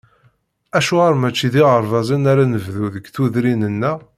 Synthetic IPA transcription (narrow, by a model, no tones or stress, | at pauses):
æʃuʁaɾˤmæt͡ʃːiðiʁəɾˤvɑzˤinaɾænəvðuðəɡθuðɾinənːæ